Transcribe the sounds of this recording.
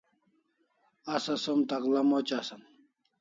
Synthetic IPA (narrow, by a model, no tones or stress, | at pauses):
ɐsɐsomt̪ɐklɐmot͡ɕasɐm